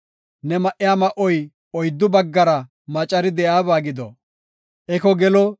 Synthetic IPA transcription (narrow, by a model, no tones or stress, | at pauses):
nɛmɐʔɪjaːmɐʔɔj | ɔjd̪ːʊbɐɡːɐɾɐ | mɐt͡ʃʼɐɾɪd̪ɛjaːbaːɡɪd̪ɔ̰ | ʔɛkɔɡɛlɔ